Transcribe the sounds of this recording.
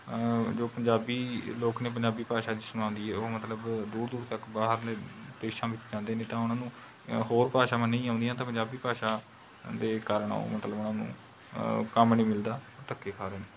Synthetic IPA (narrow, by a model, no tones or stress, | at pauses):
d͡ʒoːpəɲd͡ʒaːbiːloːkneːp̬əɲd͡ʒaːbiːpaːʃaːd͡ʒɪsənãːnd̪iːɦɛːoːmət̪ləbd̪uːɾd̪uːɾt̪əkbaːɦəɾlːd̪eːʃãːʋɪt͡ʃd͡ʒãːnd̪eːnẽːt̪ãːʊnãːnũː | ɦoːɾpaːʃaːmənːə̃ĩːaːʊ̃nd̪ijãːt̪ãːpəɲd͡ʒaːbiːpaːʃaː | d̪eːkaːɾəɳo̰ːmət̪ləbʊnãːnṵ̃ː | kəmnĩːmɪld̪aːɔːt̪əkːeːkʰaːɾeːneː